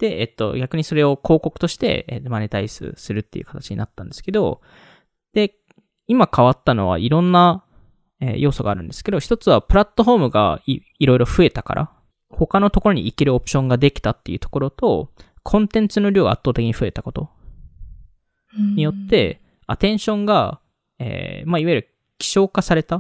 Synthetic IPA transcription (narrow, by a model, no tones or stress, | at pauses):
d̪̥e̞et̪ːo̞̰ɡʲakɯ̟ɲ̟iso̞ɾe̞o̞kʰo̞ːko̞kɯ̟̥t̪o̞ɕi̥t̪e̞̰ḛt̪ːmanet̪aisɨ̰sɨɾɯ̟t̪ːeiɯ̟kḁt̪at͡ɕiɲḭnat̪ːã̰nd̪e̞sɨ̥ke̞d̪o̞̰ | d̪̥e̞ | imakaβat̪ːano̞βa̰ʔiɾõ̞nːa | ḛjo̞ːso̞ɡaːɾɯ̟̃nd̪esɨ̥ke̞d̪o̞çi̥t̪o̞t͡sɨβapɯ̟ɾat̪ːo̞ɦo̞ːmɯ̟ɡa̰ | iɾo̞iɾo̞ɸɯ̟e̞t̪aka̰ɾʔa̰ | ho̞kanot̪o̞ko̞ɾoɲ̟iːkeɾopɯ̟̥ɕõ̞ŋɡad̪e̞kʲi̥t̪at̪ːe̞jiɯ̟t̪o̞ko̞ɾo̞t̪o̞ | kʰõ̞nt̪ẽ̞nt͡sɨnoɾʲo̞ːɡa̰ːt̪ːoːt̪e̞kʲiɲiɸɯ̟e̞t̪ako̞t̪o̞̰ | ɲ̟ijo̞t̪ːe̞ | at̪ẽ̞ɰ̃ɕõ̞ŋɡa | ḛːmaiβaiɾɯ̟ | kʲi̥ɕo̞ːkasaɾe̞t̪a